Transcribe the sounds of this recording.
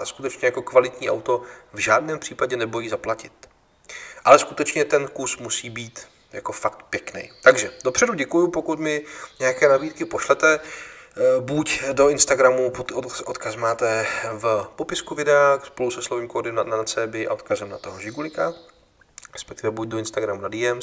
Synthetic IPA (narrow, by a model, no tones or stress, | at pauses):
skut̪ɛt͡ʃɲɛjako̞kvalɪt̪ɲiːʔa̰wt̪o̞vʒaːdnɛːmpr̥iːpaɟɛnɛbo̞jiːzaplacɪt̪ | ʔalɛskut̪ɛt͡ʃɲɛt̪ɛnkusmusiːbiːt̪ | ja̰ko̞fak̚t̪pjɛknɛ̰jt̪aɡʒɛd̥opr̝̥ɛduɟɛkujupo̞kut̪mɪɲɛjakɛːnabiːt̪̚kɪpo̞ʃlɛt̪ɛ | bucdo̞ɪnst̪aɡɾamupot̪oʔot̪kasmaːt̪ɛvpo̞pɪskuvɪdɛaːxspo̞lusɛslovɪmkodɪmananat͡sɛːbɪʔa̰ʔot̪kazɛmnat̪oɦoʒɪɡulɪka | ɾɛspɛk̚t̪ɪvɛbuɟ̚doɪnst̪aɡɾamunadiːɛm